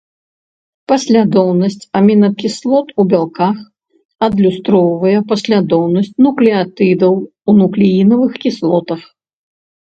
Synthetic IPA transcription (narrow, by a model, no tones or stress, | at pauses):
pɐsʲlʲad̪ɔwnɐsʲt͡sʲamʲinɐkʲislˠɔt̪ubʲalˠkax | ɐd̪lʲust̪ɾɔwvɐjɛpɐsʲlʲad̪ɔwnɐsʲt͡sʲnuklʲiat̪ɨd̪ɐw | unuklʲijinɐvɨxkʲislˠɔt̪ɐx